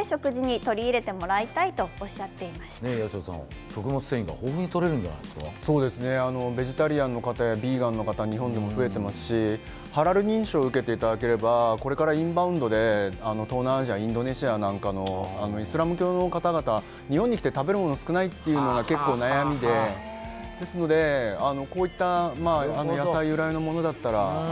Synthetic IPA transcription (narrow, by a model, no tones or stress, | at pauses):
ɕo̞kɯ̟ʑiɲ̟it̪o̞ɾʲiːɾe̞t̪e̞mo̞ɾait̪ait̪o̞ːɕːat̪ːe̞imasnejaɕosã̰ | ɕo̞kɯ̟mo̞t͡sɨ̥sẽĩŋɡa̰hoːɸɯ̟ɲ̟it̪oɾe̞ɾɯ̃nd̪a̰na̰ia̰so̞ːd̪e̞sɨne̞ano̞be̞ʑit̪aɾʲiãnːo̞kat̪ajabʲiːɡãnːo̞kat̪aɲ̟iɦõ̞nd̪e̞mo̞ɸɯ̟e̞t̪e̞masɨ̥ɕi | haɾaɾɯ̟ɲ̟ĩɰ̃ɕoːɯ̟ke̞t̪e̞it̪ad̪ake̞ɾe̞bako̞ɾe̞kaɾaĩmbãɯ̟̃nd̪o̞d̪e̞ano̞t̪oːnãːʑiaĩnd̪o̞ne̞ɕianãŋkano̞ano̞isɨɾamɯ̟kʲo̞ːno̞kat̪aɡat̪a | ɲ̟ihõɲ̟ːikʲi̥t̪e̞t̪abe̞ɾɯ̟mo̞nosɨ̥kɯ̟nait̪ːe̞jɯ̟ːno̞ɡake̞kːo̞ːnajamʲid̪e̞ | d̪̥e̞sɨno̞d̪e̞ano̞ko̞ːit̪ːamaːno̞jasaiɯ̟ɾaɯno̞mo̞no̞d̪at̪ːaɾa